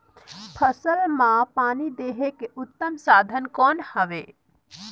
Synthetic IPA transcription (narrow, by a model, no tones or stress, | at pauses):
pʰəsəlmãpaːnid̪eːɦekeʊt̪ːəmsaːd̪ʱənkɔːnhəʋe